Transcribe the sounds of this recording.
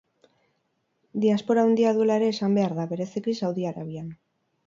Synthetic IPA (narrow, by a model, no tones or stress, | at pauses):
d̪iaspo̞ɾaond̪iaðue̞laeɾe̞ːsambe̞aɾðaβe̞ɾe̞sikisawðiaɾaβian